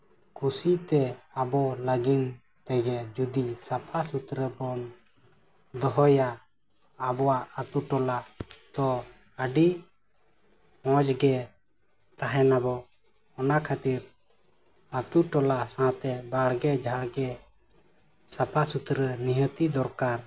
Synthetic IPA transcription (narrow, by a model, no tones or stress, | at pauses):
kʰusit̪ɛabɔləɡin | t̪ɛɡɛd͡ʒud̪isapʰasut̪ɾəbɔn | d̪ɔɦɔjaː | bɔwaʔət̪uʈɔlad̪̥ɔ | əɖi | hɔ̃d͡ʒɡɛ | t̪aɦɛnabɔ | ɔnakʰat̪iɾ | ət̪uʈɔlasãt̪ɛbaɽɡɛd͡ʒʱaɽɡɛ | sapʰasut̪ɾəniɦət̪id̪ɔɾkaɾ